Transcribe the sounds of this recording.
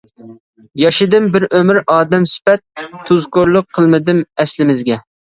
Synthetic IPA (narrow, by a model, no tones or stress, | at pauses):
jɑʃɪd̪ɨmbɪɾømɪɾɑːd̪ɛmsɪ̥pɛt̪ʰːuzkoɾlˠʊqʰːəlˠmɪd̪ɪmɛslɪmɪzɡʲɛ